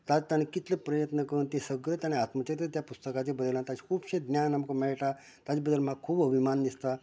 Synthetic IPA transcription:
t̪at̪añekit̪ləpɾəjət̪nəkəunt̪esəɡɾət̪añeat̪mət͡ɕaɾt̪ət̪japust̪əkat͡ɕebəd̪əlant̪at͡ɕi̥kʰuːbɕed̪njanamkomɛɭʈa | t̪at͡ɕebəd̪əlmaɡkʰːuːbəbʱimanːist̪a

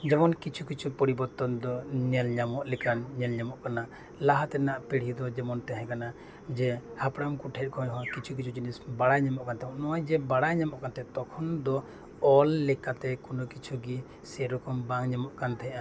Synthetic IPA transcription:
d͡ʒɛmɔnkit͡ʃʰukit͡ʃʰupɔɾibɔɾt̪ɔnd̪ɔɲɛlɲamɔʔlɛkanɲɛlɲamɔʔkana | laɦat̪ɛnaʔpiɽ̤id̪ɔd͡ʒɛmɔnt̪ɛɦɛ̃kana | d͡ʒɛhapɽamkuʈʰɛt̪̚kʰɔ̃jɦɔ̃kit͡ʃʰuk̬it͡ʃʰud͡ʒinisbaɽajɲamɔʔkant̪ɛmɔʔnɔwajd͡ʒɛbaɽajɲamɔʔkant̪ɛt̪ɔkʰɔnd̪ɔ | ɔlːɛkat̪ɛkunɔkit͡ʃʰuɡi | sɛɾɔkɔmbaŋɲamɔʔkant̪ʰɛʔa

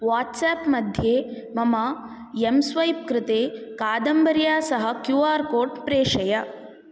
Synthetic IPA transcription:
ʋaːʈsaːpmɐd̪ʱjeː | mɐmɐ | emsʋɐjp̚kɾɪt̪eːkaːd̪ɐmbɐɾjaːsɐɦɐkjuːaːɾkoːɖpɾeːʂɐjɐ

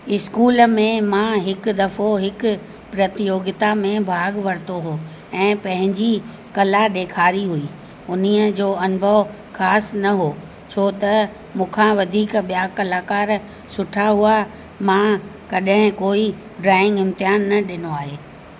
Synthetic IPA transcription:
ɪskuːləmẽmãɦɪkd̪ɐfoɦɪkʊ | pɾɐt̪ɪjoːɡɪt̪amẽbʱaːɡʋɐɾt̪oɦoː | ɛ̃ːpɐ̃ɦɪ̃ɲd͡ʑi | kɐlaɗeːkʰaːɾiɦuiː | ʊniəd͡ʑoːɐnbʱəʋ | xaːsnɐɦoː | t͡ɕʰoːt̪ɐ | mũːkʰãʋɐd̪ʱiːkɓijaːkɐlaːkaːɾ | sʊʈʰaɦua | mãːkɐɗɦɪ̃koːi | ɖɾaːɪ̃ŋɡɪ̃mt̪ɪjaːnːɐɗɪnoaːɦeː

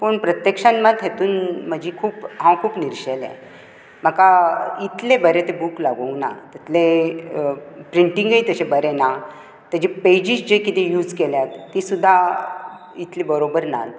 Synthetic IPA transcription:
pəɳpɾət̪jəkʂənməd̪ɦet̪uːnm̤əd͡ʑikʰuːpɦãkʰuːpniɾɕelḛ̃ | m̤əkait̪lebəɾet̪ebuːklaɡowna̰t̪it̪le | pɾiɳʈiŋɡəjt̪əɕebəɾena | t̪əd͡ʑiped͡ʑisd͡ʑekit̪ẽjuːd͡zkeljat̪ːisud̪ʱːa | it̪lebəɾobəɾna̰l

